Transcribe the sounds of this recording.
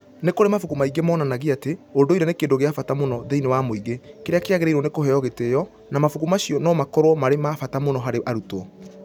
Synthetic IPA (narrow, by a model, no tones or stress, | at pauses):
nekoɾemafukumaiɡemɔnanaɣiateondoiɾɛnekeːndoɣeafatamonɔðeinewamoiɣekeɾeakeaɣeɾeiɾwɔnekoɦɛjɔɣetejɔ | namafukumaɕiɔnɔmakɔɾomaɾemafatamonɔɦaɾeʔaɾutɔ